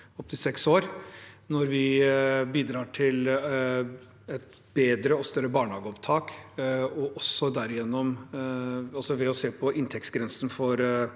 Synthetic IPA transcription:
ɔp̚t̪ʰɪsɛksoːɾnɔɾʋɪbiːd̪ɾɑːʈʰɪl | ɛt̪ | beːd̪ɾəɔst̪œɾːəbɑːɳhɑːɡəɔpt̪ʰɑːk | ɔʔɔsːɔd̪æɾɪjɛnːɔm | ɑlsɔʋɛɔseːpʰɔʔɪnt̪ʰɛkt̪sɡɾɛnsn̩fɔɾ

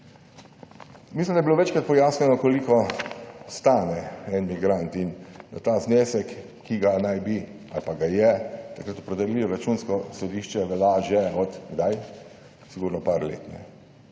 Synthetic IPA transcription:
mislimd̪ajɛbiloʋɛt͡ʃkɾat̪̚pɔjaːsɲʲɛnɔkolikɔ | st̪aːnɛɛnmiɡɾant̪ind̪at̪azneːsɛkː | iɡanajbi | a̰lpaɡajɛt̪akɾat̪ɔpɾɛd̪ɛliɔɾat͡ʃuːnskɔsɔd̪iːʃt͡ʃɛʋɛlaʒɛɔt̪ɡd̪aj | siɡuːɾnɔpaɾlḛːt̪nɛ̰

